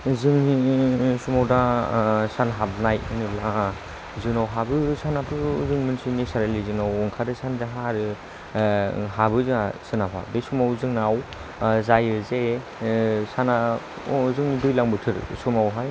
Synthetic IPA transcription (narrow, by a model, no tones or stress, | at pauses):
zɯŋnisumawdasanɦabnajɯnɯbla | zɯŋnawɦabɯsanapɯzɯŋmɯnsinisaɾelizɯŋnawɔŋkʰadɯsanzaɦaɾɯ | ɦabɯzɯasɯnapʰa̰besumawzɯŋnaw | zajɯze | sana | zɯŋnidujlaŋbɯtʰɯɾsumawɦaj